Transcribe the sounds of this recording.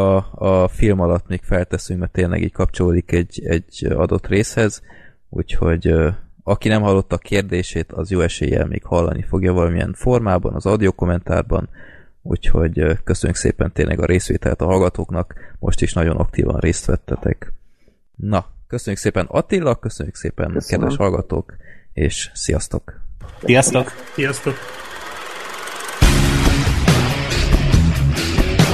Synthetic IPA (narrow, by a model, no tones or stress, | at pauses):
ɒɒfilmɒlɒt̪miːkfɛlt̪ɛsyŋkmɛrt̪eːnlʔɛ̰ɡiːckɒpt͡ʃoloːd̪ikɛɟːɛɟɒd̪o̞t̪ːreːshɛz | ṵːcho̞ɟɒkinɛmɦɒlːo̞t̪ːɒkʰeːrd̪eːʃeːt̪ʰɒzjoːɛʃḛːjɛ̰lmʔḛːkhɒlːɒ̰nʔifo̞ɡjɒvɒlɒmiɛ̰nɱfo̞rmaːbɒ̰nɒzɒwd̪iokomɛnt̪aːrbɒn | ṵːcho̞ɟkø̞søɲːyksḛːpɛnt̪eːnlʔɛ̰ɡɒɾʔeːsʋḛːt̪ɛlɛt̪ɒɦɒlɡɒt̪oːknɒkmʔo̞̰ʃt̪iʃnɒɟo̞nɒkt̪ḭːvɒ̰nrʔeːst̪ʋɛt̪ːɛt̪ɛ̰k | nɒkøsøɲːykseːpɛnɒt̪ilːɒkːø̞søɲːykseːpɛ̰nkɛd̪ʋʔɛʃhɒlɡɒt̪o̰ːkeːʃsijɒst̪o̞ksijɒst̪oksijɒst̪ok